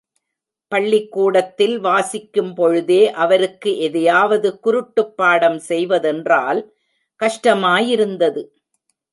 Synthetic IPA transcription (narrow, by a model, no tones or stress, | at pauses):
pɐɭːɪkːuːɽɐt̪ːɪlʋaːsɪkːɯmpɔɻɯðeːʔɐʋɐɾɯkːɯʔɛðɐjaːʋɐðɯkʊɾɯʈːɯpːaːɽɐmsɛjʋɐðɛndraːl | kɐʂʈɐmaːjɪɾɯnd̪ɐðɯ